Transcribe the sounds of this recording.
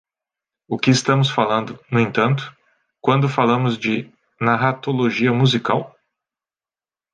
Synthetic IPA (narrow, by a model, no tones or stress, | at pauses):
ʊkɪːst̪ɐ̃mʊsfalɐ̃nd̪ʊnʊẽt̪ɐ̃nt̪ʊ̥ | kwɐ̃nd̪ʊfalɐ̃mʊzd͡ʒɪ | naɦat̪oloʒiɐmuzikaw